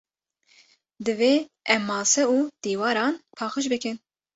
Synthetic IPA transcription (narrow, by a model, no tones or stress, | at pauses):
d̪ɨveː | ɛmːɑːsɛuːd̪̥iːwɑːɾɑːnpʰɑːxɨʃ̬bɨkɨn